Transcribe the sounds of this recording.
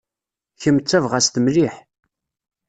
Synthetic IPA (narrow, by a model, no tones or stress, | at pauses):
çəmt͡sːævʁæst̪əmliħ